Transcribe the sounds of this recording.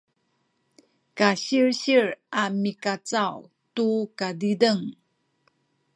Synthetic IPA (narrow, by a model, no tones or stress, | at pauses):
kaɕiɹɕiɹamikat͡saw | tukadidəŋ